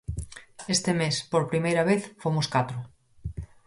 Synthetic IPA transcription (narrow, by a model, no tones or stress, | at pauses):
est̪emespoɾpɾimejɾaβ̞eθfomoskat̪ɾo